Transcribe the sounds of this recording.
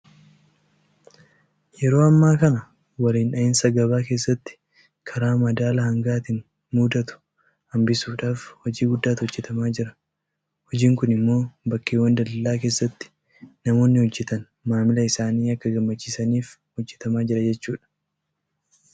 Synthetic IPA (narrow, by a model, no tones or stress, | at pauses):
jɛɾo̞ːɐmːaːkɐnɐ | wɐliːnᶑɐɪnsɐɡɐβaːke̞ːsːɐt̪ːɪ̥ | kʰɐɾaːmɐd̪aːlɐhɐŋɡaːt̪ɪn | muːd̪ɐt̪ʊ̥ | hɐmbɪsuːᶑaːfhɔd͡ʒiːɡʊd̪ːaːt̪hɔd͡ʒːɛt̪ɐmaːd͡ʒɪɾɐ | hɔd͡ʒiːŋkʊnɪmːo̞ːbɐkːeːwɐnd̪ɐlɐlaːke̞ːsːɐt̪ːɪ̥ | nɐmo̞ːnːɪhɔd͡ʒːɛt̪ɐn | maːmɪlɐɪsaːniːɐkːɐɡɐmːɐt͡ʃːiːsɐniːf | hɔd͡ʒːɛt̪ɐmaːd͡ʒɪɾɐd͡ʒɛt͡ʃːuːᶑɐ̥